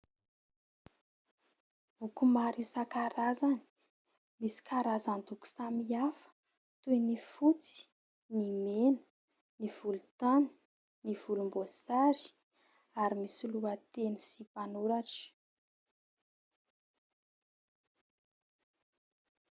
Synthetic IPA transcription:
ukumaɾisakaɾazani̥ | misi̥kʰaɾazand̪uku̥samiafə̥ | t̪ujnifut͡si̥ | nimenə̥ | niv̥ulut̪ani̥ | niv̥ulumbosazi̥ | aɾimisiluat̪enisipanuɾaʈ͡ʂə̥

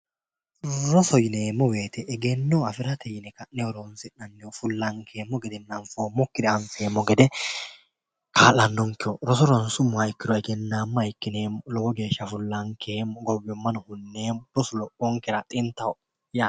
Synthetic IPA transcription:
ɾɔsɔjɪneːmːɔweːt̪ɛʔːɡenːɔɐfɪɾɐt̪ɛjɪnɛkɐnːɛɔɾonsɪnːɐnːɛɔfʊlːɐŋkʰeːmːɔɡɛd̪ɛnnɐnfoːmːɔkːɪd̪ɛɐnfeːmːɔɡɛd̪ɛ | kʰaːlɐnːɔŋkːɪɔɾɔsɔɾɔnsʊmːʊɐjkːɪd̪ɔɛɡɛnːaːmːɐjɪkːɪneːmɔlɔɡɔɡe̞ːʃːɐfʊlːɐŋkʰeːmɔɡɔwːɛmːɐnɔhʊnːeːmɔɾɔsʊlɔʔɔŋkɛɾɐt̪ʼɪnt̪ːɐ | ja

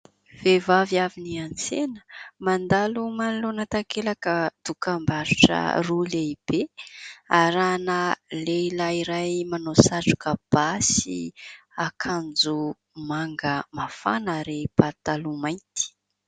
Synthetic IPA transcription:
v̥evavjaviniant͡senə̥mand̪alumanlonat̪akelakəd̪̥ukambaɾuʈ͡ʂə̰ruleib̥e | aɾanəleilaiɾajmanosaʈ͡ʂu̥kəb̥asḭakʰand͡zu | maŋɡəmafa̰nəɾepat̪alumajnt̪i̥

